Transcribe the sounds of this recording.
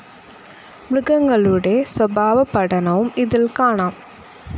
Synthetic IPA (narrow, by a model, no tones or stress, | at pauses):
mɪɣɐŋɡɐɭɯɽeːswɐbaːʋɐpːɐɽɐnɐʋɯmɪðɪlkaːɳaːm